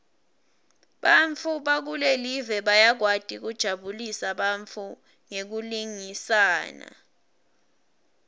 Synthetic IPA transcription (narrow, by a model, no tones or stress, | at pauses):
ɓaɱfʰuɓak̬ulelivɛɓajak̬wad̥ʱik̬ud̥ʒ̥ʱaɓulisaɓaɱfʰu | ŋek̬uliŋisaːna̰